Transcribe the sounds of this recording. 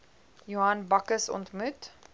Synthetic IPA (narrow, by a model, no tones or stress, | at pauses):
juɐnbɐkəsɔ̰ntmʉt